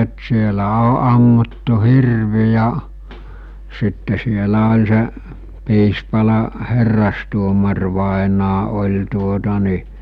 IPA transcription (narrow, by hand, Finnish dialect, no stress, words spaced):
t sielæ o ɑmːutːu hirʋi jɑ sitːe sielæ olʲ seʔ piːspɑlɑ herːɑstuomɑrʋɑˑenɑː olʲ tuotɑ ni